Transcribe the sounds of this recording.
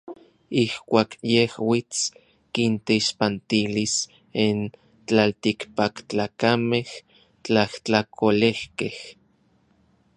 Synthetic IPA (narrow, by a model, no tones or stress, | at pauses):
ihkʷaːkjehwit͡s | kint̪eiʃpant̪ilis | in | t͡ɬalt̪ikpakt͡ɬaːkameh | t͡ɬaht͡ɬakʰolehkeh